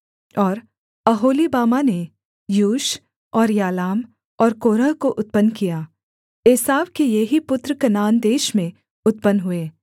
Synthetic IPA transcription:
ɔːɾ | ɐɦoːlibaːmane | juːʃ | ɔːɾjaːlaːm | ɔːɾkoːɾəɦkoʔʊt̪̚pənkijaː | eːsaːʋkejeɦipʊt̪ɾəkɐnaːnd̪eːʃmẽ | ʊt̪̚pənɦʊeː

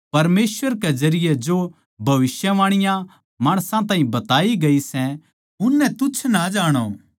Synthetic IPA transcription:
pɐɾmeːsʋəɾkɛd͡ʒɐɾɪjɛd͡ʒo | bʱɐʋɪsjəʋaːɽ̃ɪjã | maːɽ̃sãt̪ãːɦĩbɐt̪aːiɡɐisɛ̃ | ʊnːɛ̃t̪ʊt͡ʃʰnad͡ʒaːɽ̃o̰

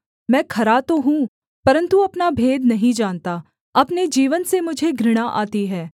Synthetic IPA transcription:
mɛ̃ːkʰɐɾat̪oɦũ | pɐɾə̃nt̪uɐpnabʱeːd̪nɐɦĩd͡ʒaːnt̪a | ɐpned͡ʒiːʋənsemʊd͡ʒʱeɡɾɪɽ̃aʔa̰ːt̪iɦɛː

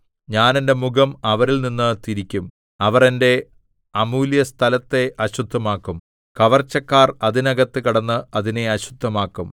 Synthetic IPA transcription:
ɲaːnende̞muɡɐmɐʋɐɾilninːɨt̪iɾikʲːum | ɐʋɐre̞nde̞ | ɐmuːljɐst̪ʰɐlɐt̪ːe̞ʔɐɕud̪ʱːɐmaːkːum | kɐʋɐrt͡ɕːɐkːaːrɐðinɐɣɐt̪ːɨkiɽɐnːɨɐðine̞ɐɕud̪ʱːɐmaːkːum

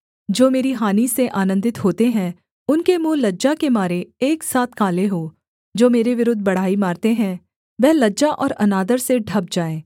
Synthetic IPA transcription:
d͡ʒoːmeːɾiɦaːniseʔaːnə̃nd̪ɪt̪ɦoːt̪eɦɛ̃ | ʊnkemũːlɐd͡ʒakemaːɾeeːksaːt̪ʰkaːleɦoː | d͡ʒoːmeːɾeʋɪɾʊd̪ʱbɐɽ̤aːimaːɾt̪eɦɛ̃ | ʋɛːlɐd͡ʒaʔɔːɾɐnaːd̪əɾseɖʱɐb̚d͡ʒaːẽː

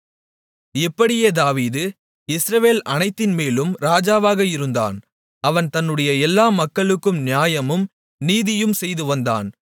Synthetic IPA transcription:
ɪpːɐɽɪjeːd̪aːʋiːðɯ | ɪsɾɐʋeːlɐnɐɪt̪ːɪnmeːlɯmɾaːd͡ʒaːʋaːɣɐɪɾɯnd̪a̰ːn | ɐʋɐnt̪ɐnːɯɽɐjɐɛlːaːmɐkːɐɭɯkːɯmnɪjaːjɐmɯm | niːðɪjɯmsɛjðɯʋɐnd̪a̰ːn

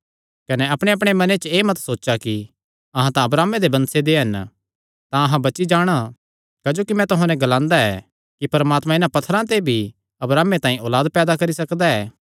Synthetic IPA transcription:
kɐnɛɐpɽ̃eɐp̬ɽ̃emɐnet͡ʃeːmɐt̪soːtːt͡ʃaki | ɐɦãt̪ãɐbɾaːmed̪ebɐ̃nsed̪eɦɐn | t̪ãɐɦãbɐtːt͡ʃid͡ʒaːɽ̃a | kaːd͡ʒoːkimɛ̃t̪ʊɦãnɛ̃ɡɐlãːnd̪aɛ̰ː | kipɐɾmaːt̪mãɪnãpɐt̪ʰːəɾãt̪̬ebʱi | ɐbɾaːmːet̪ãːĩoːlaːd̪̚pɛːd̪akɐɾisɐkd̪aɛː

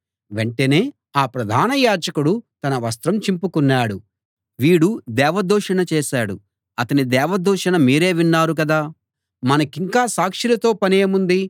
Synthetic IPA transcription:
ʋe̞ɳʈene̞ː | aːpɾɐd̪ʱaːnɐjaːd͡ʒɐkuɽut̪ɐnɐʋɐs̬t̪ɾɐmt͡ʃimpukunːaːɽu | ʋiːɽud̪ɛːʋɐd̪ɔːʂɐɳɐt͡ʃeːʃaːɽṵ | ɐt̪ɐnid̪ɛːʋɐd̪ɔːʂɐnɐmiːɾe̞ːʋinːaːɾuk̬ɐd̪aː | mɐnɐkiŋkaːsaːkʂilɐt̪o̞ːpɐneːmund̪i

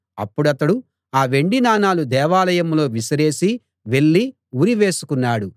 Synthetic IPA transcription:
ɐpːuɽɐt̪ɐɽu | aːʋe̞ɳɖinaːnaːlud̪ɛːʋaːlɐjɐmlo̞ːʋisɐɾe̞ːsi | ʋe̞ɭːi | uɾiʋe̞ːsukunːaːɽu

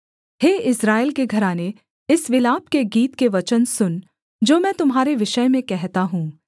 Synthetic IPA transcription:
heːɪsɾaːɪlkeɡʱɐɾaːne | ɪsʋɪlaːp̚keɡiːt̪keʋɐt͡ʃənsʊn | d͡ʒoːmɛ̃ːt̪ʊmɦaːɾeʋɪʃəjmẽkɛɦt̪aɦũː

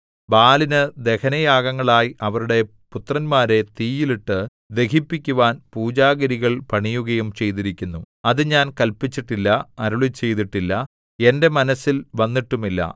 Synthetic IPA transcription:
baːlinɨd̪e̞kʰɐnɐjaːɣɐŋːɐɭaːjʔɐʋɐɾuɽe̞ | put̪rɐnmaːɾe̞t̪iːjiliʈːɨ | d̪e̞kipːikʲːuʋaːnpuːd͡ʑaːɣɐɾiɣɐɭpɐɳijuɣɐjumt͡ɕe̞jt̪̬iɾikʲːunːu | ɐðɨɲaːnkɐlpit͡ɕːiʈːilːɐɐɾuɭit͡ɕːe̞jt̪̬iʈːilːɐ | e̞nde̞mɐnɐsːilʋɐnːiʈːumilːɐ̰

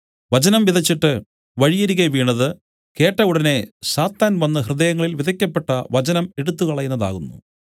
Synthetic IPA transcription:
ʋɐt͡ɕɐnɐmʋiðʱɐt͡ɕːiʈːɨ | ʋɐɻijɐɾiɣɐʋiːɳːɐðɨ | ke̞ːʈːɐuɽɐne̞saːt̪ːaːnʋɐnːɐhrɨðɐjɐŋːɐɭilʋiðʱɐkʲːɐpːe̞ʈːɐʋɐt͡ɕɐnɐmeɽut̪ːukɐɭɐjnːɐða̰ːɣunːṵ

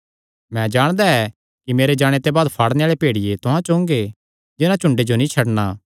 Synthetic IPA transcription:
mɛ̃d͡ʒaːɽ̃d̪aɛ | kimeːɾed͡ʒaːɽ̃et̪ebaːd̪pʰaːɽneaːɭepeːɽɪjet̪ʊɦãt͡ʃõːŋɡe | d͡ʒɪnãt͡ʃʊ̃ɳɖed͡ʒonĩt͡ʃʰɐɽna

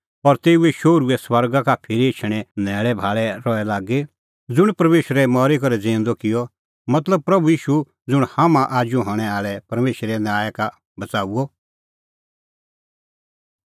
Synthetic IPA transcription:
ɔɾt̪eːuɛʃoːɾuɛswɐɾɡakapʰɪɾiet͡ʃʰɽ̃ɛnɛːɭɛbʱaːɭɛɾɔɛlaːɡe | d͡zʊɽ̃pɐɾmeːʃɾɛmɔːɾikɔɾɛd͡zẽːn̆d̪ɔkɪjɔ | mɐt̪ləb̚pɾɐbujiːʃu | d͡zʊɽ̃haːmãʔaːd͡ʒũɦɔɽ̃ɛ̃aːɭɛpɐɾmeːʃɾɛnaːjəka | bɐt͡saːuɔ

